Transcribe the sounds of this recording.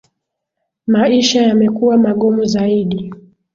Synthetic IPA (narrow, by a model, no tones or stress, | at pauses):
maiʃajamɛkuwamaɠɔmuzaiɗi